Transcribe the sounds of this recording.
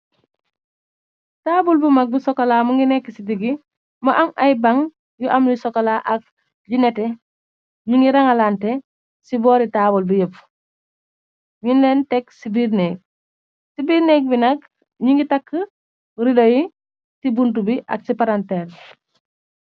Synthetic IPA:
taːbulbumak̚busɔkːɐlamuŋɡinɛkːisidiɡi | mɐʔamajbaŋ | juʔamlisɔkalaʔak̚ | ɟinɛtɛ | ɲiŋɡiɾaŋalantɛ | sibɔːɾitaːbulbijəp | ɲinlɛntɛksibiɾnɛɡ̚ | sibiːɾnɛɡ̚binɐk | ɲiŋɡitakːə | ɾidoji | sibuntubiʔa̰ksipaɾantɛːl

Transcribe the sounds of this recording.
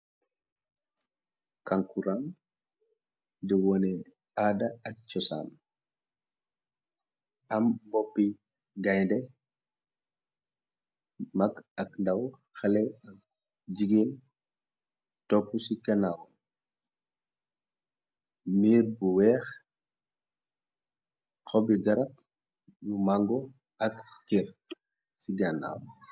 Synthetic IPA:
kaŋkuɾan | dɛwɔnɛ | aːdɐɐk̚t͡ʃɔsa̰ːm | ʔɐmbɔpːi | ɡajndɛ | mɐkɐkndɐw | xɐlɛɐk̚ | d͡ʒiɡin | tɔpːusikanawɔ | miːɾbuwɛːx | xɔbiɡɐɾɐp̚ | jumaŋɡɔ | ɐkkiɾ | siɡana̰w

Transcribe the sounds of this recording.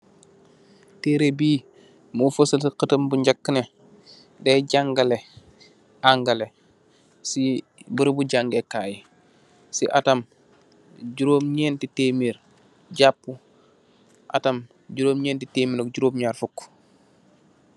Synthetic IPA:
teːɾebiː | mufosɐtiqətɐmbuɲɟakːəne | dɛɟaŋɡale | ʔaŋɡɐle | si | bəɾbuɟaŋɡekaːji | siʔatɐm | ɟuɾoːmɲɛːntiteːmiːɾ | ɟapːu | ʔa̰tɐm | ɟuɾoːmɲɛːntiteːminokɟuɾoːbɲaːɾfukː

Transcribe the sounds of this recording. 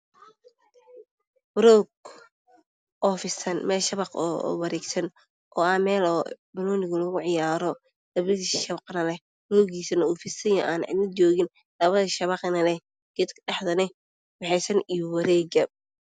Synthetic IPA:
wɾɔːɡ | ʔɔːfɪsɐnmɛːlʃɐβɑqɔ̰ːwɐɾɛːɡsɐn | ʔɔːɐmɛːlɔːbɐlɔːnɪɣʊlɔɣʊʕɪjaːɾɔ | d̪̥ɐbɪðiʃɐβqnɐlɛ | ɾɔːɣiːsɐnɐuːfɪsɐjɔʔaːnʕɪ̰d̪nɐt͡ʃɔːɣɪn | lɐβɐðɐʃɐβɑqnɐlɛ | ɡ̥ɪd̪kʰɖɑħd̪ɐnɛ | wɑħɛjsɐnijɔwɐɾɛːɡɐ

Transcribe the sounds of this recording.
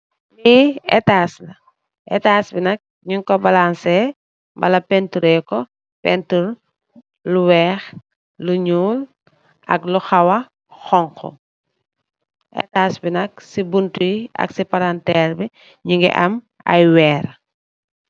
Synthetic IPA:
liːɛ̰taːslɐ | ʔɛ̰taːsbinɐk̚ | ɲuŋkɔbɐlansɛ | mbɐlɐpɛntuɾɛːkɔ | pɛntuɾ | luwɛːx | luɲuːl | ʔɐ̰kluxɐwɐ | xɔŋkɔ̰ | ʔɛ̰taːsbinɐk̚sibuntujiɐ̰ksipaɾantɛːɾbi | ɲuŋɡɛ̰ʔɐ̰m | ɐ̰jwɛːɾ

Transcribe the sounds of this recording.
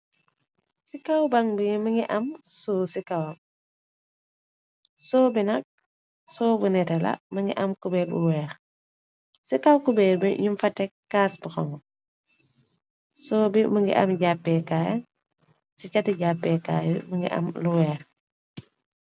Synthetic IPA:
sikawbaŋbimɐŋɡiʔɐmsusikɐw | sɔːbinɐk̚ | sɔːbunɛtɛlɐ̰mɐŋɡḭʔɐmkubɛbṵwɛːɾ | sikawkubɛɾbiɲumfɐtɛkːaːsbuxɔ̰ŋ | sɔːbimɐŋɡḭʔɐ̰mɟapːɛkaːj | sicɐtiɟapːɛːka̰ːjmɐŋɡḭʔɐ̰mluwɛːɾ

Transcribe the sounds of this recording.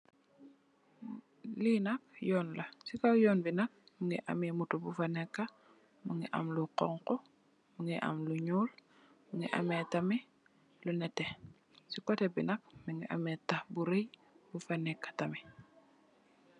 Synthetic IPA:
linak̚jɔːnlasikawjɔːnbinak̚miŋɡiʔamemutubufanekːa | muŋɡiʔa̰mluqɔŋqo | muŋiʔa̰mluɲuːl | muŋiʔa̰metami | lunɛte | sikotebinak̚miŋɡiʔa̰metahbuɾej | bufanɛkːḁtami

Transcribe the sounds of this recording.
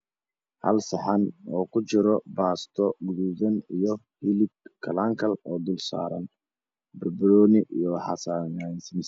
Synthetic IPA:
hɐ̰lsɐħanɔːkʰʊt͡ʃɪɾɔbaːst̪ʰɔɡʊðuðɐnijɔ | hɪlɪɡkʰɐlaːŋkʰɐlɔːd̪ʊlsa̰ːɾɐ̰n | bɐrblɔːnɪʔijɔħɑsaːnansɪmɪs

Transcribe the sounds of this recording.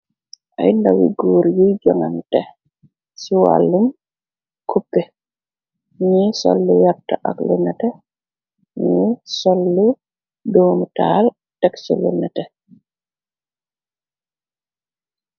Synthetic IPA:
ʔa̰jndawḭɡoːɾjid͡ʒɔŋamtɛ | siwa̰lːum | kʰupːɛ | ɲisɔ̰lːujap̚taʔa̰klunːɛtɛ | ɲɛsɔlːu | doːmutal | tɛksɔlunːɛtɛ

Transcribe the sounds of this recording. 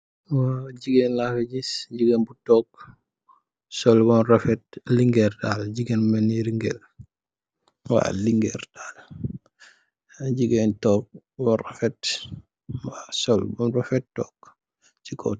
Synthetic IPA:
waɟiɡɛnlafeɟisɟiɡɛnbutɔk̚ | sɔlbɔnɾɔfɛt̚liŋɡɛɾdaːlɟiɡenmɐniɾiŋɡɛl | wa̰ːliŋɡɛɾdaːl | ɟiɡɛntɔːk̚ | bɔrafɛt | waːsɔlbɔnrɔfɛt̚tɔːk | t͡ʃikʰɔ̰

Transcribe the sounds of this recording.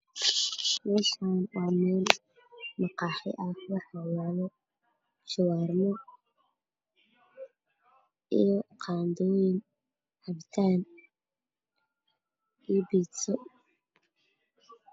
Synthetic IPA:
mɛːʃaːnwamɛːn | mɑqɑːħɪ̰ʔakʰʊħɑwaːlɔ | ʃɪwaːrmɔ | ijɔqʰɑːnd̪ɔːjɪn | hɐbt̪ʰaːn | ibiːt̪sɔ

